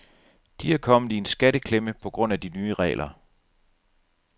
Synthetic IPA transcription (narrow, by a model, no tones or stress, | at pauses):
d̥iæɐkʰɒ̽mð̩ˠie̝nsɡ̥æɾəkʰleməpʰɒ̽ɡ̥ʁɔ̽n̰æd̥inyːəʁɛ̰ːlʔɐ